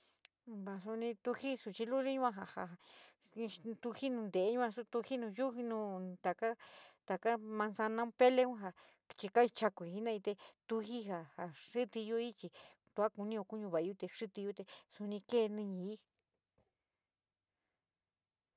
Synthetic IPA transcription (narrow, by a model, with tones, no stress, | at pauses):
βa˧˨su˧nĩ˧t̪u˧hi˦su˧t͡ʃi˧lu˦ði˦ɲũ˦ã˧ɦa˧ha˨˧ | t̪u˧hi˦nũ˧nd̪e˨˦ɲũ˦ã˧su˧t̪u˧hi˦nũ˧ju˦i˧nũ˧˦t̪a˨ka˦t̪a˨ka˦mã˧nsa˧nã˧˦pe˦le˧˦ũ˦ɦa˧ | t͡ʃi˧ka˦i˧t͡ʃa˧ku˨i˧nã˦˧ĩ˧t̪e˧t̪u˧hi˦ɦa˨ha˨ʂi˦t̪i˧jo˧i˦t͡ʃi˧ | t̪u˧a˦ku˧nĩ˧o˧ku˦ɲũ˧βa˨˧u˧t̪e˧ʂi˦t̪i˧ju˦t̪e˧su˧nĩ˧ke˦˨˧nĩ˧ɲĩ˧i˦